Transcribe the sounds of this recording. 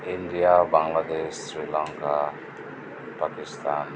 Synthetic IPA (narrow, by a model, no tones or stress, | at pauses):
indijabaŋlad̪essɾilaŋka | pakist̪an